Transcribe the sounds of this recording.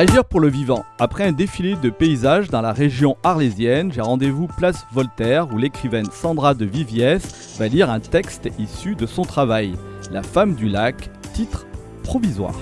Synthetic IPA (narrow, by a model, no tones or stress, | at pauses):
aʒiʁpuʁləvivɑ̃apχɛɛ̃d̪efiled̪əpeizaʒd̪ɑ̃laʁeʒjɔ̃aʁlezjɛnʒeʁɑ̃d̪evuplasvɔlt̪ɛʁulekχivɛnsɑ̃d̪ʁad̪əvivjɛs | valiʁɛ̃t̪ɛkst̪isyd̪əsɔ̃t̪χavaj | lafamd̪ylakt̪it̪χ | pχɔvizwa̰ːʁ